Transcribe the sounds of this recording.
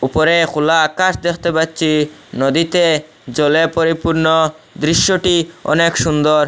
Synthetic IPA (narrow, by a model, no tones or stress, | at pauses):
upoɾekʰulaakaʃd̪ekʰt̪epat̪ːɕʰinɔd̪it̪e | d͡ʑɔlepoɾipuɾno | d̪ɾiʃːoʈiɔ̰nekʃund̪oɾ